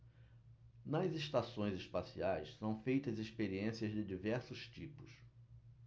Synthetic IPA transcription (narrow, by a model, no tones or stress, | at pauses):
nɐzeʃt̪asõj̃zɪspasiajssɐ̃w̃fejt̪ɐzispeɾiẽsiɐzd͡ʒɪd͡ʒivɛɾsʊst͡ʃipʊs